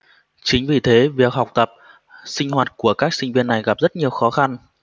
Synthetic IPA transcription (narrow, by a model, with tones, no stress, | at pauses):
t͡ɕï˨˦ŋ̟vi˨˩t̪ʰe˨˦vi˨˩ək̚ɦa˨˩wk͡p̚t̪ə˨˩p̚ | sï˧ŋ̟hwaː˨˩t̚ku˧˩əkaː˦˥k̚sï˧ŋ̟vi˧ənːa˨˩jɣa˨˩p̚zə˦˥t̚ɲi˨˩əwxɔ˨˦xa˧n